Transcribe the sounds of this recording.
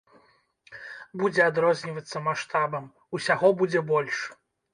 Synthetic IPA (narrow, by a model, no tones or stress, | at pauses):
bud͡zʲɛad̪ɾɔzʲnʲivɐt̪sːɐmaʂt̪abɐm | usʲaɣɔbud͡zʲɛbɔlʲʂ